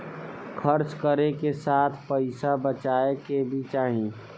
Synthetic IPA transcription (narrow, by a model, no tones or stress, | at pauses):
kʰəɾt͡ʃkəɾekesaːt̪ʰpəɪsabət͡ʃaːekebʱit͡ʃaːɦĩ